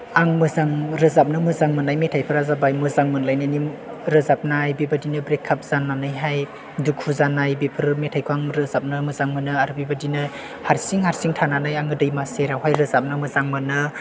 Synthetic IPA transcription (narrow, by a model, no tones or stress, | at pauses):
aŋmɯzaŋɾɯzap̚nɯmɯzaŋmɯnajmetʰajpʰɯɾazabajmɯzaŋmɯnlajnani | ɾɯzap̚najbibadinɯbɾekʰːap̚z̥anːanɯjɦaj | dukʰuzanajbipʰɯɾmetʰajkʰuaŋɾɯzap̚nɯmɯzaŋmɯnɯaɾbibadinɯ | haɾsiŋhaɾsiŋtʰananajaŋɡɯdɯjmaseɾawɦajɾɯzap̚nɯmɯzaŋmɯnɯ